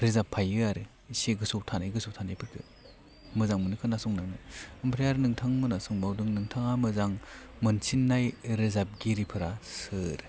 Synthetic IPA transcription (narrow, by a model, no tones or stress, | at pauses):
ɾezapʰːajɯaɾɯ | seɡɯsɔw̚tʰanajɡɯsow̚tʰanajpʰɯɾtʰɯ̰ | mɯzaŋmɯnɯkʰɯnasɔŋnaŋnɯɯmpʰɾejaɾnɯŋtʰaŋmɯnasɔŋbawdɯŋnɯŋtʰaŋamɯzaŋ | mɯnsʰinːajɾezap̚ɡiɾipʰɯɾasɯɾ